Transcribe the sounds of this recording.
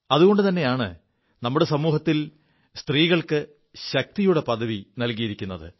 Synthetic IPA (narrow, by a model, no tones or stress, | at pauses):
ɐðuɣo̞ɳɖɨt̪ɐnːe̞jaːɳɨ̰ | nɐmːuɽe̞sɐmuːɦɐt̪ːil | st̪riːɣɐɭkɨ | ɕɐk̚t̪ijuɽe̞pɐðɐʋinɐlkijiɾikʲːunːɐðɨ̰